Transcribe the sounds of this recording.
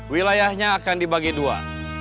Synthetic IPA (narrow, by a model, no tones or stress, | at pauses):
wilajahɲaːkandibaɡidua̰